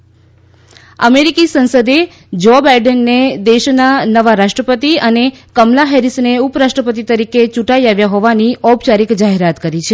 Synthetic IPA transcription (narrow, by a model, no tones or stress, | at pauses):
ə̰meɾikisə̃nsəd̪e | d͡ʒobajɖənːed̪eʃnanəʋaɾaʃʈɾəpət̪iənekəmlaɦɛɾisneupɾaʃʈɾəpət̪̬it̪əɾiket͡ʃũʈaiaʋjaɦoʋaniʔɔbt͡ʃaɾikd͡ʒaɦeɾat̪kəɾit͡ʃʰe